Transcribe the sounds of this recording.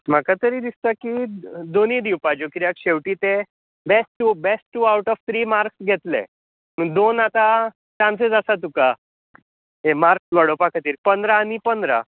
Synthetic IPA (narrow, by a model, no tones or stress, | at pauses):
m̤akat̪əɾiːd̪ist̪akid̪onid̪iwpad͡ʑokiɾjakɕeʋʈiːt̪e | besʈːubesʈːuawʈɔʋt̪ʰɾiːmaɾksɡʱet̪lḛ | məɡd̪onat̪a | t͡ɕãnsed͡zasat̪uka | emaɾksʋaɽopakʰat̪iːɾpənd̪ɾaːnipənd̪ɾa̰